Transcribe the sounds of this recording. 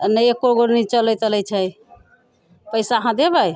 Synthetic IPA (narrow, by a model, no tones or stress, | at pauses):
nəjekːoɡoɾnit͡ʃəlɛjt̪əlɛjt͡ʃʰəj | pəjsaəɦãd̪ebəj